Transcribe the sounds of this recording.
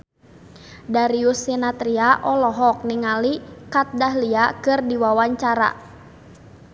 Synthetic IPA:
daɾiusinat̪ɾiaʔɔlɔɦɔk̚niŋalikat̪̚daɦliakɨrdiwawaɲt͡ʃaɾa̰

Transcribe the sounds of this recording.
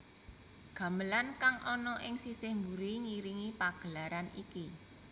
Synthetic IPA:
ɡ̥ä̤məlankaŋʔɔnɔʔɪŋsisɪhmbuɾiŋiɾiŋipaɡ̥ə̤laɾaniki

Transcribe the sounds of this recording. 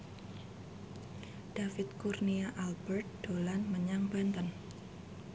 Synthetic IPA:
d̥afɪt̪̚kurniaʔalbərt̪̚d̥olanməɲaŋbant̪ən

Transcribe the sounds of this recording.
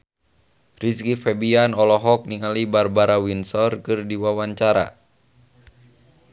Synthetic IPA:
riskifɛbianɔlɔɦɔk̚niŋalibarbaɾawinsɔrkɨrdiwawaɲt͡ʃaɾa̰

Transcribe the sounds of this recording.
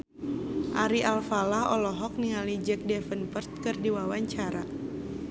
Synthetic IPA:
ʔaɾiʔalfalahɔ̰lɔɦɔk̚niŋalid͡ʒɛk̚dɛfənpərt̪̚kɨrdiwawaɲt͡ʃaɾa

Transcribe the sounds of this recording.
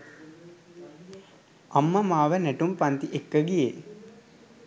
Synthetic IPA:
amːəmaːʋənæʈumpant̪iʔekːəɡije

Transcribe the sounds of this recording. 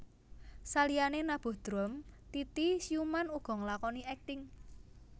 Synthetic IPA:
salijanenab̥ṳd̪̥ɾɔmt̪it̪isiumanuɡ̥ɔ̤ŋəlakɔniɛk̚t̪ɪŋ

